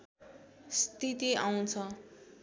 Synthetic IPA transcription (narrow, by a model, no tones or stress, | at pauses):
st̪it̪iaw̃t͡sʰʌ